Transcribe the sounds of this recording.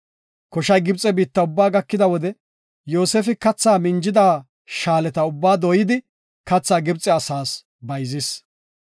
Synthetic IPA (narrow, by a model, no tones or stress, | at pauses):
kɔʃɐjɡɪbt͡sʼːɛbiːt̪ːɐʊbːaːɡɐkːɪd̪ɐwɔd̪ɛ | jo̞ːseːfɪkɐt͡sːaːmɪnd͡ʒɪd̪aː | ʃaːlɛt̪ɐʊbːaːd̪ɔjɪd̪ɪ | kɐt͡sːaːɡɪbt͡sʼːɛɐsaːs | bɐjzɪs